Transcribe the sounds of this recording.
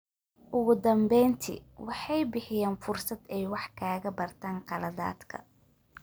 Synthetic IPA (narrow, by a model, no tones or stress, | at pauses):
ʔʊɣʊd̪ɐmbɛjnt̪ʰḭwɑħɑjbɪħɪjaːnfʊrsɐd̪ɛjwɑħkʰaːɣɐbɐrt̪ʰaːnqɑlɐða̰ːd̪kʰɐ̰